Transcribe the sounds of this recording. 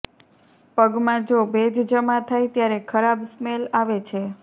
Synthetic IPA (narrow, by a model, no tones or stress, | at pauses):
pəɡmãd͡ʒobed̪ʱd͡ʒəmãt̪ʰajt̪jaɾekʰəɾabsmelaʋet͡ʃʰe